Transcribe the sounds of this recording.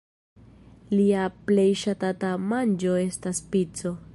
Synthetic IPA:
liaple̞jʃatatamand͡ʒo̞e̞staspit͡so̞

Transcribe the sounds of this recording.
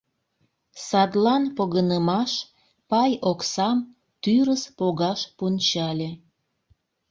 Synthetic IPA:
sɑd̪lɑnpoɣənəmɑʃ | pɑjoksɑm | t̪yɾəspoɣɑʃpunʲt͡ɕɑlʲe

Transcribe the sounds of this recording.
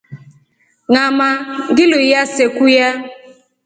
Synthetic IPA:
ŋamaŋɡɪlʊjasekuja

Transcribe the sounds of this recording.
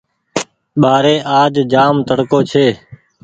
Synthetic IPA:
ɓaːɾeːʔaːd͡ʒd͡ʒaːmt̪əɽkoːt͡ʃʰeː

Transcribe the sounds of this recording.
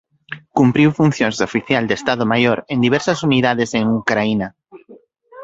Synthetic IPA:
kumpɾiwfun̟θjõŋzðofiθjald̪est̪að̞omajoɾend̪iβɛɾsɐsuniðaðɪseŋukɾainɐ

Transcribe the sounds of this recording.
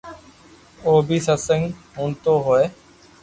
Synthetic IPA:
oːbʱiːsəsəŋɡɦũːnt̪oːɦoeː

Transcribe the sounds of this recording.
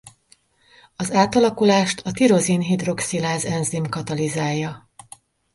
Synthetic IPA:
ɒzaːt̪ɒlɒkulaːʃt̪ʰɒt̪iɾo̞zinɦid̪ro̞ksilaːzɛnzimkɒt̪ɒlizaːjːɒ

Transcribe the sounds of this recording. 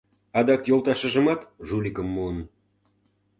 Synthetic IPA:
ɑd̪ɑkjolˠt̪ɑʃə̆ʒə̆mɑt̪ʒulʲikə̆mːuən

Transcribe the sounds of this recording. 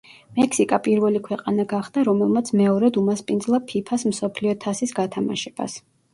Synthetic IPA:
mɛkʰsikʼapʼiɾvɛlikʰwɛqʼanaɡaχd̪̥aɾɔmɛlˠmat̪sʰmɛɔɾɛd̪umaspʼind̪zlˠapʰipʰasm̩sɔpʰliɔt̪ʰasisɡat̪ʰama̰ʃɛb̥a̰s

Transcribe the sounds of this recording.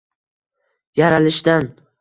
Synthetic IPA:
jaɾalɪʃd̪an

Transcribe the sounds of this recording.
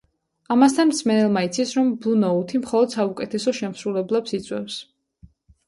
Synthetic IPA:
amas̬t̪ʰanmsmɛnɛlˠmait̪sʰisɾɔmblunɔut̪ʰimχɔlˠɔd̪̥saukʼɛt̪ʰɛsɔʃɛmsɾulɛblɛpsit̪sʼwɛ̰fs

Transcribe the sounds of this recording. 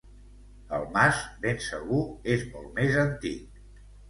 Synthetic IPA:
ə̰lˠmazbensəɣuezmɔlˠmezənt̪ik̚

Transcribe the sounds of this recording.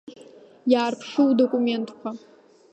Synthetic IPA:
jaːrpʰʂɨwdokʼume̞ntʰʼkʷʰa

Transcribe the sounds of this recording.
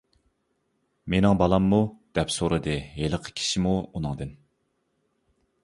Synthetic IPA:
menɪŋbɑlˠɑmːud̪̥ɛpsoɾɨd̪ɨɦeləqʰə̥kʲʰi̥ʃimuunɨŋd̪ɨn

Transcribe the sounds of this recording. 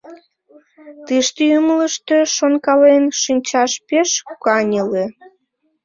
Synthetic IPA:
t̪ɨʃt̪əymələʃt̪øʃonkɑlenʃinʲt͡ɕɑʃpeʃkɑnʲəle

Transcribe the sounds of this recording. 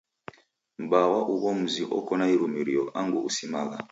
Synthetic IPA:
m̩bawaʔuwɔm̩ziʔɔ̰kɔnaiɾumiɾijɔʔaŋɡuusimala̰

